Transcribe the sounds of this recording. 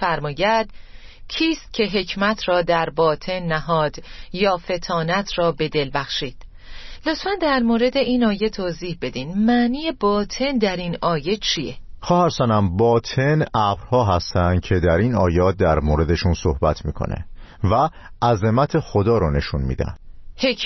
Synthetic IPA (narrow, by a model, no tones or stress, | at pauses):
æɾmɒːjæd̪̥cʰiːst̪̚cʰe̞ɦe̞cʰmæt̪ʰrɒːd̪æɾbɒːt̪ʰe̞nːæɦɒːd̪̥jɒːfe̞t̪ʰɒːnæt̪ʰrɒːbe̞d̪e̞lbæxʃiːd̪̥ | lot̪fænd̪æɾmoːɾe̞d̪e̞ʔiːnɒːje̞t̪ʰoːziːhbe̞d̪iːnmæʔniːje̞bɒːt̪ʰe̞nd̪æɾinɒːje̞t͡ʃʰijexɒːhæɾsænæmbɒːt̪ʰe̞nʔæbɾhɒːɦæst̪ænd̪̥̚cʰe̞d̪æɾiːnɒːjɒːt̪̚d̪æɾmoːɾe̞d̪e̞ʃunso̞hbæt̪ʰmiːkʰo̰nḛ | væ | ʔæzemæt̪ʰe̞xod̪ɒːɾɔne̞ʃunmḭd̪æ̰nhec